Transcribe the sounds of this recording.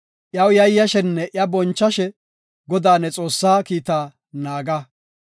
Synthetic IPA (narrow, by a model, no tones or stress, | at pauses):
ʔjɐwjɐjːɐʃɛnːɛʔɪɐbɔnt͡ʃːɐʃɛ | ɡɔd̪aːnɛt͡sʼo̞ːsːaːkiːt̪aː | naːɡɐ